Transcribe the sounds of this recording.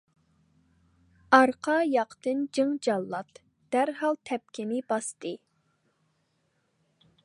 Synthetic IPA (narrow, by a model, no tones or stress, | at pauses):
ɑɾqʰɑjɑqt̪ɨnd͡ʒɨŋd͡ʒɑlˠːɑt̪ | d̪̥æɾɦɑlˠt̪ʰɛp̚kʲɪnɪbɑst̪ɨ